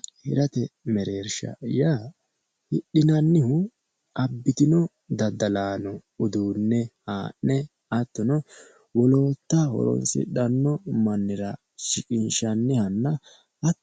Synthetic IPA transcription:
hɪɾɐt̪ɛmɛɾeːɾʃɐ̰jaː | hɪɗːɪnɐnːɪhʊ | ɐbːɪt̪ɪnɔ | d̪ɐd̪ɐlaːnɔ | ʊd̪uːnːɛhaːʔnɛ | ɐt̪ːɔnɔ | wɔlo̞ːt̪ːahɔ̰ɾɔ̰nsɪ̰ɗɐnːɔmɐnːɪɾɐ | ʃɪkʼɪnʃɐnːɪhɐnːɐ | ɐ

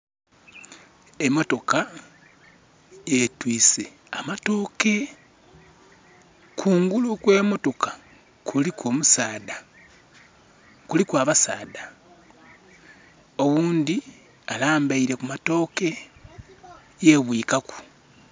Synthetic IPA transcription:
e̞mːo̞to̞ka | jetwiːse̞ | amato̞ːke̞ | kʰuːŋɡulukwe̞ːmo̞to̞kḁ | kʰulikoːmusaːda | kulikwaːβasaːda | o̞wuːndi | alaːmbaiɾe̞kumato̞ːke̞ | jeβwiːkaku̥

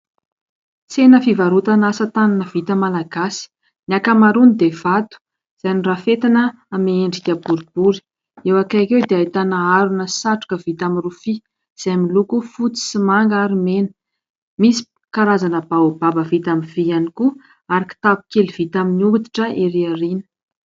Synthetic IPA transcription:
t͡senəfivaɾut̪anasət̪ananəv̥it̪əmalaɡasi̥ | niakamaɾunid̪ev̥at̪u̥ | z̥ajnirafet̪inəː | meeɳɖ͡ʐikʲəbuɾib̥uɾi̥ | ewakakewd̪eajt̪anaaɾunəsaʈ͡ʂu̥kəv̥it̪aminrufi | z̥ajmilukufut͡si̥simaŋɡaɾimenə̥ | misi̥ | kaɾazanəbaobabəvit̪amiv̥ianiku | aɾiki̥t̪abu̥kelv̥it̪aminiuut̪i̥ʈ͡ʂəʔeɾiarinə̥

